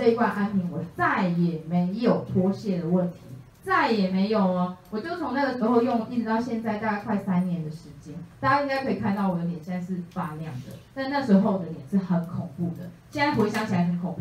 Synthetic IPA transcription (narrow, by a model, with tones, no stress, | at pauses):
ɤ˥˧i˧˥t̪wa˥˧nʔa˦npʰi˧˦ŋwɔ˨˩t͡sa˥˩ɪjɛ˨˩me˨˧˦ɪjo˨˩ʊt̪ʰwɔ˦ɕjɛ˥˩d̪ə˩wə˥˨nt̪ʰi˨˦ | t͡sa˥˩ɪjɛ˨˩me˨˧˥ɪjo˨˩ʊɐ˦wɔ˨˩t͡ɕjo˥˩ʊt͡sʰo˧˦ŋna˥˩ɡə˩ʂɻ̩˧˥xo˥˧ʊjɔ˥˩ŋ˨˩ʔi˥˩ʈ͡ʂɻ̩˧˥t̪ɑ˥˧ʊɕjɛ˥˧nt͡sa˥˧ɪt̪a˥˧ka˥˧kʰwa˥˩ɪsa˦nnjɛ˧˦nd̪ə˨ʂɻ̩˧˦t͡ɕjɛ˦nt̪a˥˩t͡ɕja˥ĩ˥ŋka˥ɪkʰɤ˧˥i˨˩kʰa˥˧nt̪ɑ˥˩ʊwɔ˨˩jo˧˦t̪jɛ˨˩ɕɛ˥na˥˧ʂɻ̩˥˩fa˥ljɑ˥˨ŋd̪ə̰˩t̪a˥˧nna˥˩ʂw̩e˧ɪxo˥˩ʊd̪ə˩˦ljɛ˨˩nʂɻ̩˥˩xə˨˧˦nkʰɔ˨˩ŋpu˥˩d̪ə̰˩t͡ɕi˥na˧˥npu˧˥i˥˩ɕjɑ˥ŋt͡ɕʰi˨˩a˧˥ɪxə˨˦nkʰo˨˩ŋpu˥˩